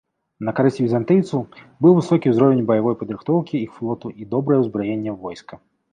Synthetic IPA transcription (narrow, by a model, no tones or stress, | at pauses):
nɐkaɾɛsʲtʲvʲizant̪ɨjt̪sɐw | bɨwvɨsɔkʲiwzɾɔvʲenʲbɐjavɔjpɐd̪ɾɨxt̪ɔwkʲiixflˠɔt̪uʔid̪ɔbɾɐjɐwzbɾɔjenʲːɐvɔjskɐ